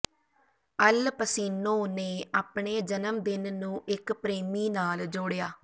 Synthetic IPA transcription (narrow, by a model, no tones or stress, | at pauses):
əlpəsiːnõːneːaːpɳeːd͡ʒənəmd̪ɪnnũːʔɪkpɾeːmiːnaːld͡ʒoːɽjaː